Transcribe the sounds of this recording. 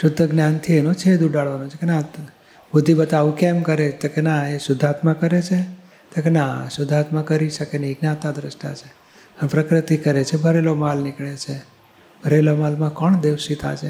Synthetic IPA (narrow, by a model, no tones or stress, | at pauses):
ʃʊd̪ʱːəɡnjant̪ʰienot͡ʃʰed̪uɖaɭʋanot͡ʃʰekena | bud̪ʱibət̪aʋũkemkəɾet̪okenaesʊd̪ʱat̪mãkəɾet͡ʃʰe | t̪okenasʊd̪ʱat̪mãkəɾiʃəkeneiɡnãt̪ad̪ɾəsʈa̰t͡ʃʰe | ənpɾəkɾɪt̪ikəɾet͡ʃʰebʱəɾelomalnɪkɭet͡ʃʰe | bʱəɾelomalmãkəɳd̪eʋsit̪a̰t͡ʃʰe